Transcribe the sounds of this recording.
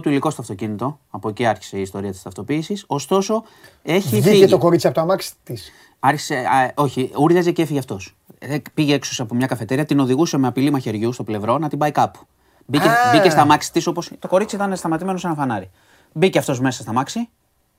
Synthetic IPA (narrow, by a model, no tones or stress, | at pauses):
t̪uiliko̞st̪oɐft̪o̞cinit̪o̞ | ɐpoeciɐɾçi̥se̞iːst̪o̞ɾiɐt̪ist̪ɐft̪o̞piːsiso̞st̪o̞so̞ | e̞çiiet̪oko̞ɾit͡siɐpot̪oɐmɐksi̥t̪is | ɐɾçi̥seo̞çiuɾðɐzeceefiʝeɐft̪o̞s | epiʝeeksoseɐpomɲɐkɐfe̞t̪e̞ɾiɐt̪ino̞ðiɣuse̞meɐpilimɐçe̞ɾʝust̪o̞ble̞vɾo̞nɐt̪ibɐikɐpu̥ | bicebicest̪ɐmɐksi̥t̪iso̞po̞st̪o̞ko̞ɾit͡siit̪ɐnest̪ɐmɐt̪ime̞no̞senɐfɐnɐɾi | biceft̪o̞zme̞sɐ̥st̪ɐmɐksi